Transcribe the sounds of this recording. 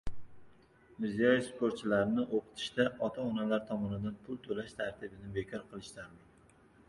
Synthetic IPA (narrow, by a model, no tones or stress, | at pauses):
mɪɾzijɒjefspʰoɾt̪̚t͡ʃʰɪlaɾɪnɪʔoqʰɨ̥t̪ʰɪ̥ʃt̪aʔɒt̪ʰaɒnalaɾt̪ʰɒmɒnɪd̪anpʰʊlˠt̪ʰolaʃt̪ʰaɾt̪ʰɪbɪnɪbe̞kʰɒɾqʰɨlˠɪʃt̪aɾlɪ